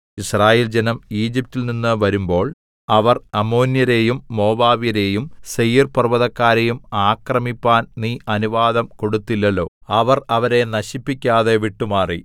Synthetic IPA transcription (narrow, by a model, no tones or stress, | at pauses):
israːjeːld͡ʑenɐmiːd͡ʑip̚tːilninːɨʋɐɾumbo̞ːɭ | ɐʋɐrɐmo̞ːnjɐɾe̞ːjumːo̞ːbaːʋijɐɾe̞ːjumsejiːrpɐrʋɐðɐkːaːɾejumaːkrɐmipːaːnniːʔɐnuʋaːd̪ɐmko̞ɽut̪ːilːɐlːo̞ːɐʋɐrɐʋɐɾe̞nɐɕipːikʲːaːðe̞ʋiʈːumaːri